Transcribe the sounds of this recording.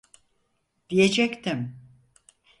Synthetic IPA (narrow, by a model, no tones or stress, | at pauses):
d̪̥ijed͡ʒɛct̪ʰɪm